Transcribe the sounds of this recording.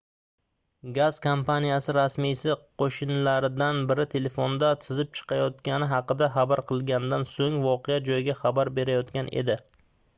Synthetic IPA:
ɡaz̥kʰompʰanijasɪɾasmijsɪqʰoʃɪnlaɾɪd̪anbɪɾɪt̪ʰe̞le̞fond̪at̪ʰɪzɪp̚t͡ʃʰɨ̥qʰɑjɒt̪kʲanɪɦɑqɨd̪aχɑbaɾqʰɨlˠɡʲand̪ansoŋvɒqʰejad͡ʒɒjɪɡʲaχɑbaɾbe̞ɾajɒt̪kʲanʔḛd̪ɪ

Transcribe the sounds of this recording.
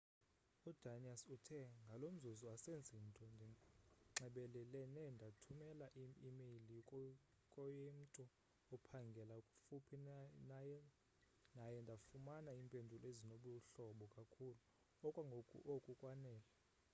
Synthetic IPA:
ud̥ʱaniasutʰɛŋɡʱalom̩zuzɔasend͡zʱin̩tʼɔnʱŋ͡ǁɛɓɛlɛlɛnɛndʱatʰumɛlaʔiimeli | kʼɔjem̩tʼu | ɔpʰaŋɡʱɛlakʼufupʰinjɛ | najɛndʱafumanaiːmpʼendʱulɔezinoɓuɬɔɓɔkʼakʰulu | ɔkʼwaŋɡʱokʼṵʔokʼukʼwanɛːla

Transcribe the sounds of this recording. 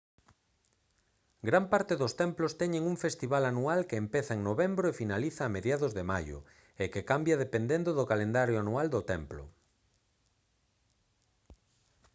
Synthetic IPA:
ɡɾampaɾt̪ɪðʊst̪ɛmplʊst̪ɛɲeŋuŋfest̪iβalanualkeːmpeθaeŋnoβembɾoefinaliθaːmeðjaðʊzðemajʊ̰ | ekekambjaðepend̪end̪ʊðʊkalend̪aɾjoanuald̪ʊt̪ɛmplʊ̰

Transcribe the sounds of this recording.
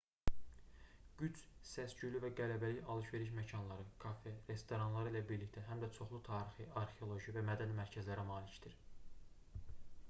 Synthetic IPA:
ɟ̥yt͡ʃsæsd͡ʒylyvæɡælæbæliçɑlˠɯʃve̞ɾiʃmæcʰɑnlˠɑɾɯkʰɑfeɾe̞st̪o̞ɾɑnlˠɑɾɯilæbiɾlict̪ʰæɦæmd̪æt͡ʃʰo̞χlˠut̪ʰɑːɾixɯʔɑɾxe̞o̞lˠo̞ʒivæmæd̪ænimæɾcʰæzlæɾæmɑːlicd̪̥iɾ

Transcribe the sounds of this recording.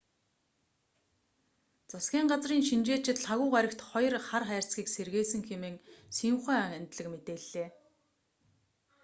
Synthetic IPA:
t͡sʊsɡʲiːŋɢat͡sriːŋʃint͡ɕeːt͡ɕɪ̆t̪ɮaɣʊːʁæɾʲɪ̆kt̪χɔj̆rχarχæːr̥ʲt͡sxʲiːkserɣeːsɘ̆ŋxemeːŋsiuχæːænʲt̪ɮɘ̆kmet̪eːɮeː

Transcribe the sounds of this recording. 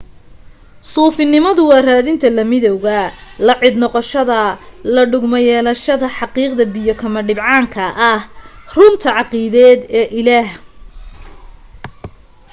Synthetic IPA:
suːfɪnɪmɐðʊwɑːraːðɪnt̪ʰɐlɐmɪðɔwɣɐlɐʕɪd̪nɔqɔʃɐðɐlɐɖʊɡmɐjɛːlɐʃɐðɐħɑqiːqd̪ɐbɪjɔkʰɐmɐɖɪbʕɑːŋkʰɐʔɐhrʊnt̪ʰɐʕɑqiːðɛːd̪ɛːʔɪlaːh

